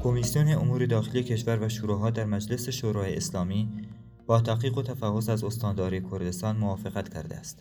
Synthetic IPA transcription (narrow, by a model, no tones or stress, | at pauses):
kʰo̞misijoneomuːɾe̞d̪ɒːxelijecʲʰe̞ʃvæɾvæʃuɾuɦɒːd̪æɾmæd͡ʒle̞se̞ʃoːɾɒːjeeslɒːmiː | b̥ɒːt̪ʰæqiːɣo̞t̪ʰæfæhosæzo̞st̪ɒːnd̪ɒːɾiːekʰo̞ɾd̪e̞st̪ɒːnmovɒːfeɣæt̪cʰæ̰ɾd̪ḛæst̪